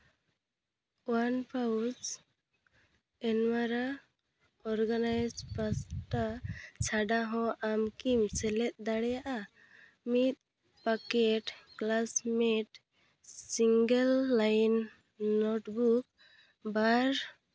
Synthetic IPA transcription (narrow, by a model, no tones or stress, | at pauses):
wanpawd͡ʒ | ɛnwaɾa | ɔɾɡanajd͡ʒbasʈat͡ʃʰaɖaɦɔ̃amkimsɛlɛt̪̚ˀd̪aɽɛjaʔa | mit̪̚ | pakeʈklasmeʈ | siŋɡelːajnː | ɔʈbuk | baɾ